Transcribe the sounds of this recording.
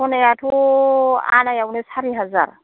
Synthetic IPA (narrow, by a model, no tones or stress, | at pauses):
ɔnɛjatʰu | a̰najaunɛshaɾiɦaza̰ɾa̰